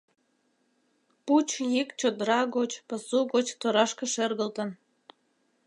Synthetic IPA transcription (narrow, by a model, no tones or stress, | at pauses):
put͡ɕjikt͡ɕod̪əɾɑɣot͡ɕpəsuɣot͡ɕt̪oɾɑʃkə̆ʃerɣəlt̪ən